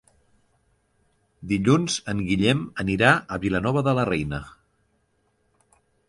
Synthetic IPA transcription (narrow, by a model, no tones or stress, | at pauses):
d̪iʎunz̥əŋɡiʎɛməniɾaəβilənɔβəðələrɛjnə